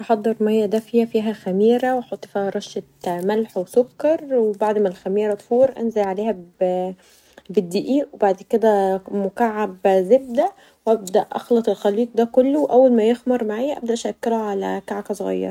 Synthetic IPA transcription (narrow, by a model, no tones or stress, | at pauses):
ʔɑħɑd̪ˤːɑɾˤmæjːæd̪æfiːhæfiːɦæxæmiːɾæweħɑt̪ˤːfiɾˤɑʃet̪mælħwesokːɑɾˤwebaʕd̪mælxæmiːɾæt̪ˤfuːɾˤʔæ̰nzelʕaleːhæ | bed̪ːiːʔiːʔwebaʕd̪ked̪æmʊkaʕːabzeb̚d̪æ | wʔæb̚d̪æʔʔɑ̰xlɑt̪ˤelxæliːt̪̚ˤd̪ækolːowʔæwːælmæjexmɑɾˤmaʕaːjæʔæb̚d̪æʔæʃækːeɾæʕalæ̰kaʕkæsˤoɣɑ̰jːɑ̰ɾˤɑ